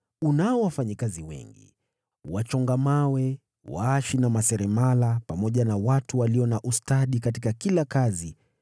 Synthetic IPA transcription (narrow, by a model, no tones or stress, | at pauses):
unaɔwafaɲikaziwɛ̰ŋɡḭ | wat͡ʃɔŋɡamawɛ | wa̰aʃinamasɛɾɛmalapamɔʄanawatuwaliɔnaʔustaɗikat̬ikakilakazi